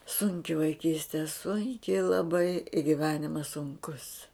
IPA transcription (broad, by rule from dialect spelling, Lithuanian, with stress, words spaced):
ˈsʊŋʲkʲɪ ʋɐɪˈkʲiːsʲtʲɛ ˈsʊŋʲkʲɪ lˠɐˈbɐɪ ɪ ɡʲɪˈʋʲæːnʲɪmɐs sʊŋˈkʊs